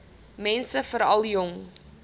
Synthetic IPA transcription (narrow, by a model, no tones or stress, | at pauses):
mɛnsəfəɾɐlˠjɔŋ